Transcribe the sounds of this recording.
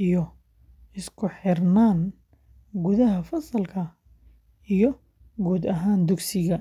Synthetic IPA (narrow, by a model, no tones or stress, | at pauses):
ijɔ | ɪskʰʊħɪrnaːn | ɡuðɐɦɐfɐsɐlkʰɐ | ijɔ | ɡuːd̪ɐɦaːnd̪ʊɡsɪɣɐ